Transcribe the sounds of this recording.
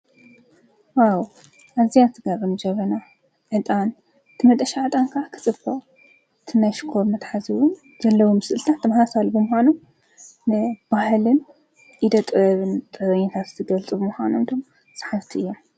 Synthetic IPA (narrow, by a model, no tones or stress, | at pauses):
waw | ʔazijat̪ʰɨɡaɾɨnd͡ʒɐβɐna | ʕɨt̪ʼan | t̪ʰɨmɐt̪ʼɐʃaʕɨt̪ʼankʰakʰɨ̥t͡sʼɨb̥ɐʔʼ | t̪ʰɨnajʃɪ̥kʰo̞ɾmɐt̪ħazɨwʊn | z̥ɐlːɐwomɨsɨʔɨlt̪ʰatt̪ʰːɐmhasalbɨmʊxʷanum | nɨb̥ahlɨn | ʔid̪ɐt̪ʼɨɾɐβɨnt̪ʼɨɾɐɲːat̪ʰat̪zɨɡɐlt͡sʼɨβɨmuxʷanomt̪ʰo̞m | sʼḁħaft̪ʰiʔɨjːom